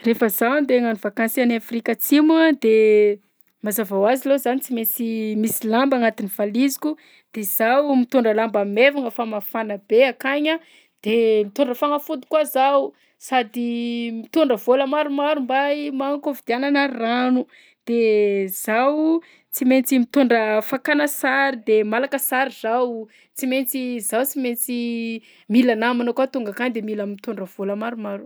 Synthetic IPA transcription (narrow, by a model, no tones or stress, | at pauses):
refəzand̪eŋanuvakansianafrikʲat͡siməd̪e | mazavawazilezanit͡simet͡simisilambaŋat̪iniv̥alizi̥kʲu | d̪̥ez̥awmit̪uɳɖ͡ʐəlambamevaŋəfamafanəbeakaɲa | d̪̥emit̪uɳɖ͡ʐəfaŋəfud̪u̥kazawu | sad̪imit̪oɳɖ͡ʐəvoləmaɾumaɾumbajmaŋkovid̪iananaranu | d̪̥ez̥aw | t͡siment͡simit̪oɳɖ͡ʐəfakanəsaɾid̪emalakəsaɾiz̥aw | t͡siment͡sizawt͡siment͡si | milanaminəkwat̪uŋɡakaɲd̪emilamimit̪oɳɖ͡ʐəv̥oləmaɾumaɾu̥